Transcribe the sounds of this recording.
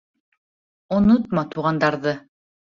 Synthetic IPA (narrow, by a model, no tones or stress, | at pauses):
ŏnot̪̚mɑt̪uʁɑnd̪ɑɾðɤ